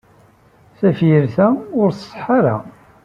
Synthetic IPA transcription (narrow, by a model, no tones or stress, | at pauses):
θæfjəɾθæʊɾθsˤħaɾa̰